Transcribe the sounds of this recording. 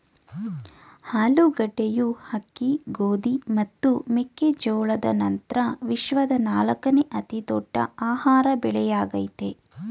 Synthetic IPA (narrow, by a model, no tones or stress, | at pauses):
haːluɡɐɖːejuhɐkːiɡoːd̪imɐt̪ːumekːed͡ʒɔːɭɐd̪ɐ̰nɐnt̪ɾɐʋiʃʋɐd̪ɐnaːlɐkɐneʔɐt̪id̪ɔɖːɐ̰aːhaːɾɐbɛɭɛjaːɡɐjt̪e